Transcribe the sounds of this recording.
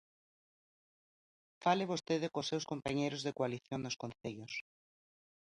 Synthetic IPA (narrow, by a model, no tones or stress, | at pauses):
falɪβost̪eðɪkosːewskompaɲejɾʊzðekwaliθjoŋnʊskõnθeʎʊs